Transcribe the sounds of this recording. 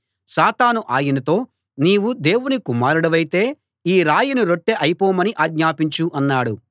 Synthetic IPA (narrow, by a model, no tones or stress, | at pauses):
saːt̪aːnuʔaːjinɐt̪o̞ː | niːwud̪e̞ːwunikumaːɾuɽɐʋɐjit̪e̞ː | iːɾaːjunuɾoʈːeʔɐjipɔːmɐniʔaːɡɲaːpiɲt͡ʃuʔɐnːaːɽu